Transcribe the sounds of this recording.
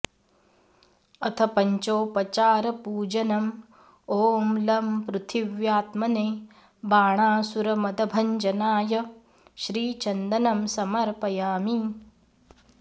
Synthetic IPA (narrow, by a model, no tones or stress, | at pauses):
ɐt̪ʰɐpɐɲt͡ʃoːpɐt͡ʃaːɾɐpuːd͡ʒɐnɐm | oːmlɐmpɾut̪ʰiʋjaːt̪mɐneː | baːɳaːsuɾɐmɐd̪ɐbʱɐɲd͡ʒɐnaːjɐ | ʃɾiːt͡ʃɐnd̪ɐnɐmsɐmɐɾpɐjaːmi